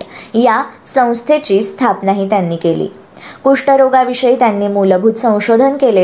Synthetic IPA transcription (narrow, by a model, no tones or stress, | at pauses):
jasə̃w̃st̪ʰet͡ɕiːst̪ʰapnaɦiːt̪janːiːkelḭː | kuʂʈəɾoɡaʋiʂəit̪janːiːmuləbʱut̪sə̃w̃ɕod̪ʱənkele